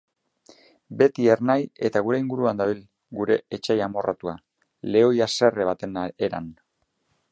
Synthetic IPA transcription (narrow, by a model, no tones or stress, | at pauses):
be̞t̪ie̞rnaje̞t̪aɣuɾe̞iŋɡuɾuand̪aβil | ɡuɾe̞et͡ʃajamo̞rʔa̰t̪ua | le̞o̞jase̞re̞βat̪eneɾa̰n